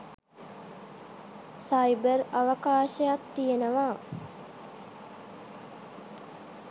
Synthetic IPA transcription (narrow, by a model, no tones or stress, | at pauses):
sajbəraʋəkaːʃəjat̪ːijenəʋaː